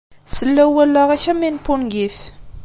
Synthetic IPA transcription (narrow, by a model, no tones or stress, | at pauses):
səlːæwælːæʁæçæminpːunɡif